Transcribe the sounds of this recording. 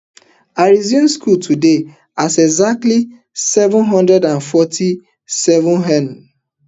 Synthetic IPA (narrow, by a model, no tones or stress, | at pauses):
aɹiziɔ̃nskʰultʰude | asɛɡzak̚tli | sɛvə̃nɦɔ̃ndɹɛdãnfɔtʰi | sɛvɔ̃nɦɛ̃n